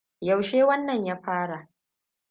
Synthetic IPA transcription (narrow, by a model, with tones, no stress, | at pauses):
ja˨wʃeː˦wɐ˦nːɐ˨ɲjaː˦ɸaː˦ɽa˨ʔ